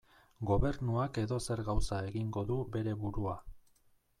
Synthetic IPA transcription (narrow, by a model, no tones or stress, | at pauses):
ɡo̞βe̞ɾnuake̞ðo̞se̞ɾɣawsae̞ɣiŋɡo̞ðube̞ɾe̞βuɾua